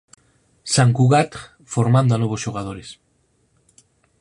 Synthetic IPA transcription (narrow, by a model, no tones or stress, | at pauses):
saŋkuɣat̪ | foɾmãnd̪oanoβ̞ozʃuɣ̞að̞oɾes